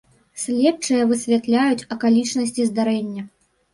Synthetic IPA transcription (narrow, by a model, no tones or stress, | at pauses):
sʲlʲɛpt͡ʂɨjɐvɨsʲvʲat̪lʲajut͡sʲɐkalʲit͡ʂnɐsʲt͡sʲizd̪aɾɛnʲːɐ